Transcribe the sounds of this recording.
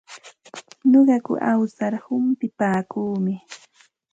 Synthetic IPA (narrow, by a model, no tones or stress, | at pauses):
ɲoɢɑkʊ̰ʔawsaɾhʊmpɪpaːkuːmɪ